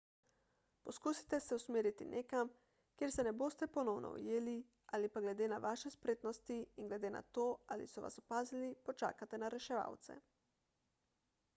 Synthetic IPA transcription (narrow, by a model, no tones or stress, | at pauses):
pɔskuːsi̥t̪ɛsɛusmeːɾit̪ḭnʔeːkam | kjeːɾsɛnɛboːst̪ɛpɔnɔwnɔ̰ṵjeːli | aːlipaɡlɛd̪eːnaʋaːʃɛspɾeːt̪nɔst̪iinɡlɛd̪eːna̰t̪oːalḭsɔʋa̰sɔpaːzilipɔt͡ʃa̰ːkat̪ɛnaɾɛʃɛʋa̰wt̪sɛ̰